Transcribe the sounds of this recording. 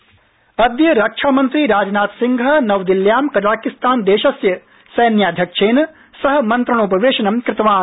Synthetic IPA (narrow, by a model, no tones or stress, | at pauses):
ɐd̪jɐɾɐkʂʰaːmɐnt̪ɾiːɾaːd͡ʒnaːt̪siŋɡʱɐnɐʋd̪iljaːmkɐɾaːkist̪aːnd̪eːʃɐsjɐ | sɐjnjaːd̪ʱjɐkʂeːn | sɐɦɐ̆mɐnt̪ɾɐɳoːpɐʋeːʃɐnɐmkɾɪt̪ɐʋaːn